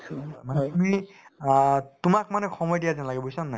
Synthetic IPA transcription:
manɛtumi | tumak̚manɛxʰɔmɔjdijazanlaɡɛbosanːa

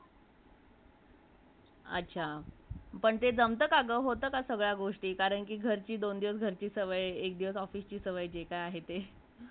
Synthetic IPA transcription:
ə̰tːt͡ɕʰa | pəɳt̪ed͡zəmt̪əkaɡəɦot̪əːkasəɡɭjaɡoʂʈiːkaɾəɳkiːɡʱəɾt͡ɕiːd̪ond̪iʋəsɡʱəɾt͡ɕiːsəʋəjekd̪iʋəsɔfiːst͡ɕiːsəʋəjd͡ʑekajaɦet̪e

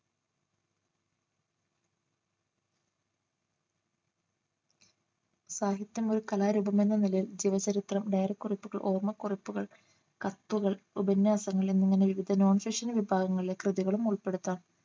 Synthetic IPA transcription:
saːɦjɐt̪jɐmo̞ɾukɐlaːɾubɐme̞nːɐnilɐild͡ʑiʋɐt͡ɕɐɾit̪rɐmɖejɾɐkːuripːuɣɐɭʔo̞ːrmɐkːuripːuɣɐɭ | kɐt̪ːuɣɐɭubɐnjaːsɐŋːɐɭe̞nːiŋːɐne̞ʋiʋid̪ʱɐno̞ːɳfikʂɐnʋibʱaːɡɐŋːɐɭilekrɨðiɣɐɭumuɭpːe̞ɽut̪ːaːɳɨ

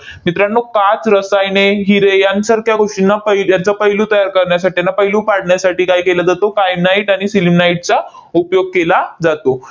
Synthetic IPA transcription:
mit̪ɾanːokat͡sɾəsajneɦiɾejansəɾkjaɡʱoʂʈinːapəɦjant͡sapəɦilũt̪əjaɾkəɾɳjasaʈijanːapəɦilũːpaɽ̤ɳjasaʈiːkaiːkelad͡zat̪okajnaiʈaɽ̃isilimnaiʈ̚t͡sa | upjoɡ̚kelad͡zat̪o

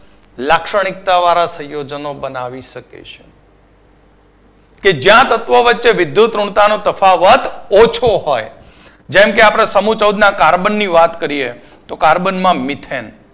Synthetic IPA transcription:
lakʃəɽ̃ɪk̚t̪aʋaɾasə̃jod͡ʒnobənaʋiʃəkḛt͡ʃʰe̥ | ked͡ʒjãt̪ət̪ʋoʋətːʃeʋɪd̪jut̪ɾʊɳt̪anot̪əfaʋət̪ot͡ʃʰoɦoj | d͡ʒɛmkeapɽ̃esəmũt͡ʃəwd̪nakaɾbənːiʋat̪kəɾie | t̪okaɾbənmãmɪt̪ʰen

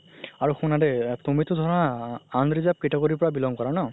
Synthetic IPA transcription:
aɹuxunadɛtumitʊdʱɔɹɔnaːndɹizap̚kitɔkoɹipɔɹabilɔŋkɔɹanɔ

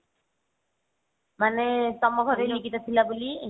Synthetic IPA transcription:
manesɔmɔɡʱɔɾelikit̪ɔt͡sʰilabuli

